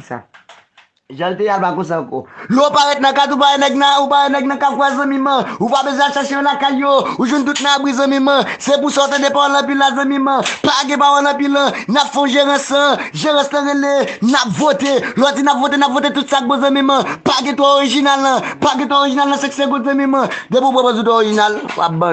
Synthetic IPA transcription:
sa̰ | ʒãlt̪ejalbakõs̬ãko̰lopaɣɛt̪̚nɐ̃kat̪̬upaenɛɡ̚nãupaɣenɛɡ̚nɐ̃kakwɛzɐ̃mĩmɐ̃upabezwɛ̃aʃaʃejõlakajːouʒwɛ̃nt̪̬ut̪̚nãabizɐ̃mĩmɐ̃sepusaut̪ãdepawãnɐ̃p̬ilazɐ̃mĩmɐ̃paɡɛ̃pawãlɐ̃pilːɐ̃napfõʒeʁə̃sãʒeɣɛ̃snãɣelenapvot̪elɔtinapvot̬enapvot̪̬etut̪sak̚bozɐ̃mĩmɐ̃paɡɛ̃t̪ooɣiʒinalnɐ̃paɡɛ̃t̪̬ooɣiʒinalnãsekseɡozɐ̃mĩmɐ̃d̪epuupɛpãzũtoɣiʒinalṵa̰p̚bã

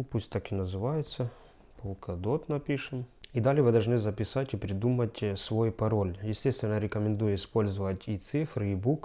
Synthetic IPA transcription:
upusʲtʲt̪akɪnɐzɨvajɪt̪sə | pəlˠkʰɐd̪ot̪nɐpʲiʂɨmid̪alʲɪjəvɨd̪ɐlˠʐnɨzɐpʲɪsatʲɪpɾʲɪd̪umətʲsvo̞jpɐɾo̞lʲjɪsʲtʲe̞st̪vʲɪnəɾʲɪkəmʲɪnd̪ujʊɪspo̞lʲzəvətʲit̪sɨfɾɨibuk

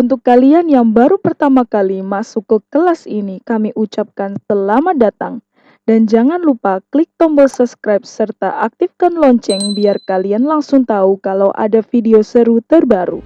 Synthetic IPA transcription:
unt̪ʊkːalianjaŋbaɾupərt̪amakalimasukːəkəlasinikamiʔut͡ʃap̚kansəlamadat̪aŋ | dand͡ʒaŋanlupaklik̚t̪ɔmbəlsəpskɾajp̚sərt̪a̰ʔak̚t̪ifkanlɔɲt͡ʃɛŋbiarkalianlaŋsʊŋt̪aukalawʔa̰dafideosəɾut̪ərbaɾṵ

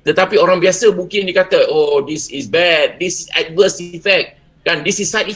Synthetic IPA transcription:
t̪ət̪apiɔɾãnbiasəbukĩndikat̪əodisisbɛt̚disisɛ̰t̚vəsifɛk̚t̚ | kãndisisːajti

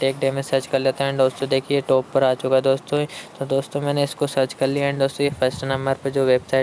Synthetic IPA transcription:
ʈeːk̚ɖeːmẽsɐt͡ʃkɐɾleːt̪aɦɛ̃ɳd̪oːst̪õd̪eːkʰieʈoːpːɐɾaːt͡ʃʊkaɦed̪oːst̪õt̪od̪oːst̪õmɛ̃ːneɪskosɐd͡ʒkɐɾliɦɛ̃ɳd̪oːst̪õjepʰɐɾsʈnɐ̃mbəɾpɐɾd͡ʒoːʋeːbsaːɪ

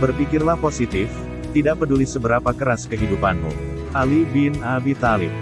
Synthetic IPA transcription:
bərpikɪrlahposit̪ɪf | t̪idaʔ̚pədulisəbəɾapakəɾaskəɦidupanmṵ | ʔalibɪnabit̪alɪp̚

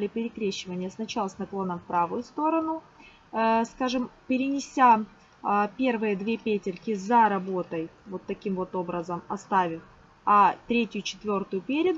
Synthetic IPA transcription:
lʲɪpʲɪɾʲɪkɾʲeɕːɪvənʲɪjəsnɐt͡ɕalˠəsnɐklˠo̞nːəmfpɾavʊjʊst̪o̞ɾənʊ | skaʐɨmpʲɪɾʲɪnʲɪsʲa | pʲe̞rvɨjəd̪vʲepʲetʲɪrʲkʲɪzɐɾɐbo̞t̪əjvo̞t̪ːɐkʲimvo̞t̪o̞bɾəzəmɐst̪avʲɪf | ɐt̪ɾʲetʲjʊt͡ɕɪ̥t̪vʲo̞rt̪ʊjʊpʲeɾʲɪd̪ʊ

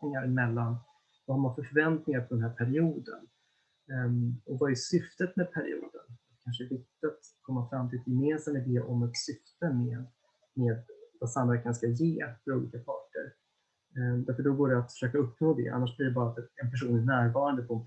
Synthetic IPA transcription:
nɪŋaɾmɛlːan | vɔhaɾmanfœɾfœɾvɛnt̪nɪŋaɾpʰɔd̪ɛnɦæːɾpʰæɾɪuːd̪ə̰n | ɔvaɛjsʏft̪ət̪mɛd̪̚pʰæɾɪ̰ṵːd̪ə̰nat̪kʰanʂəɛvɪk̚t̪ɪat̪kʰɔmːafɾamːt̪ʰɪlɛt̪jɛmeːnsamɪd̪ɛːʔɔmɛt̪sʏft̪əmeːd̪ | meːd̪vasanɛkanskajeːfœɾuːlḭːkapʰɑːʈə̰ɾ | d̪æɾfœɖɔɡoːɖɛat̪fœ̥ʂøːkaɵpːnoːd̪ɛ̰ʔa̰nːaʂblɪɖɛbɑːɾat̪ɛɛnpʰæʂuːnnæːɾvɑːɾand̪əpʰɔɛn

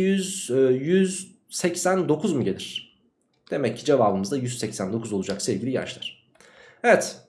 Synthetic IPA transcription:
jyzːjyz | sɛcsænd̪o̞kʰuzmuɟe̞lʲiɾ̥ | d̪̥e̞mɛcʰːid͡ʒe̞vaːbɯmɯzd̪ajyzsɛcsænd̪o̞kʰuzolˠud͡ʒakselʲɟʲilʲija̰ʃlˠaɾ̥ | evɛt̪

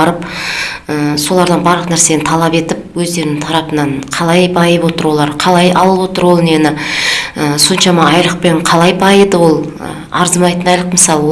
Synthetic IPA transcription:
ɾəp | əso̞lˠɑɾd̪ɑnbɑɾlˠəqnæɾse̞nɪt̪ʰɑlˠɑpe̞t̪ɪp̚wɵzd̪e̞ɾɪnɪŋt̪ʰɑɾɑpənɑɴqʰɑlˠɑjbʰɑjəpwo̞t̪əɾwo̞lˠɑɾqʰɑlˠɑjɑ̰lˠəpwo̞t̪əɾwo̞lˠnenɪəso̞nʃɑmɑɑjlˠəq̚pe̞ɴqʰɑlˠɑjbʰɑjəd̪əwo̞lˠ | ə̰ | ɑɾzmɑjt̪ənɑjlˠəqməsɑlˠə

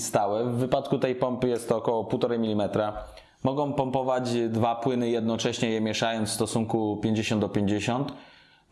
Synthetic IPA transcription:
st̪awɛvːɘpat̪kut̪ɛjpɔmpɘjɛst̪ɔkɔwɔpuwt̪ɔɾɛmʲilʲimɛt̪ɾa | mɔɡɔ̃w̃pɔmpɔvad͡ʑd̪vapwɘnɘjɛd̪̚nɔt͡ʂɛɕɲɛjɛmʲjɛʂajɔnt̪fst̪ɔsuŋkupʲjeɲd͡ʑeɕɔnd̪d̪ɔpʲjeɲd͡ʑeɕɔnt̪

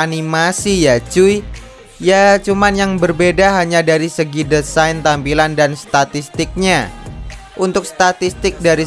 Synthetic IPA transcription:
animasijad͡ʒui | jat͡ʃumanjaŋbərbedaɦaɲadaɾisəɡidəsajnt̪ampilandanst̪at̪ist̪ɪk̚ɲa | ʔunt̪ʊk̚st̪at̪ist̪ɪk̚daɾi

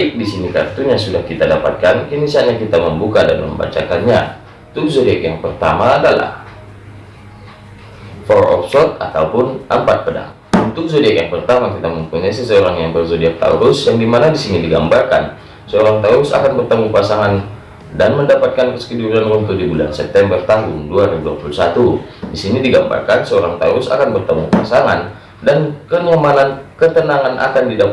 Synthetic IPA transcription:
baɪk̚disinika̰rt̪uɲasudahkit̪adapa̰t̪̚kankənisiaɲakit̪aməmbukada̰nmə̰mba̰t͡ʃakanɲa | t̪uhzodiakjaŋpərt̪a̰maːdala̰h | foɾʔɔ̰psɔt̪̚at̪a̰upʊnʔəmpat̪̚pəda̰ŋ | unt̪ʊk̚zodiakjaŋpərt̪amakit̪aməmpuɲasəsəoɾaŋjaŋbərzodiak̚t̪a̰ṵɾʊsjaŋdimanadisinidiɡa̰mbarka̰n | səoɾaŋt̪auɾʊsa̰kanbərt̪əmupasaŋan | danməndapat̪̚kankəskəduɾankunt̪ʊk̚dibula̰nsɛp̚t̪ɛmbərt̪aŋɡʊŋduaɾibudua̰pulusat̪udisinidiɡamba̰rkansəoɾaŋt̪auɾʊsa̰kanbərt̪əmupa̰saŋan | dankəŋəmalankət̪ənaŋanʔa̰kandida

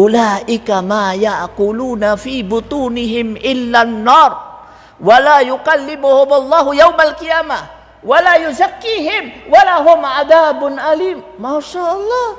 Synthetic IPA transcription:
ʔʊlaːʔɪkamaːjaʕquːluːnafiːbʊt̪ˤuːnɪɦɪmʔɪlːanːɑːɾˤ | walaːjʊqalːɪmʊhʊmalˤːɑːhʊjawmalqɪjaːma | walaːjʊzakːiːɦɪmwalaɦʊmʕad̪aːbʊnʔaliːmːaːʃaːʔɑlˤːɑːh

